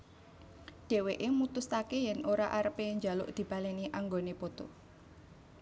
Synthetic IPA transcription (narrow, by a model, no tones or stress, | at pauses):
ɖ̥e̤weʔemut̪ʊst̪akejɛnʔoɾaʔaɾəpeɲd͡ʒa̤lʊ̰ʔd̪̥i̤b̥ä̤leniʔaŋɡonepot̪o̰